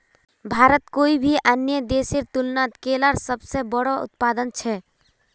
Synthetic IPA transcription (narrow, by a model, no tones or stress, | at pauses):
bʱaːɾət̪koːibʱiʔənjəd̪eːsiɾt̪ʊlnat̪keːlaɾsəbsebəɽɔʊ̰t̪̚paːd̪ənt͡ʃʰɛ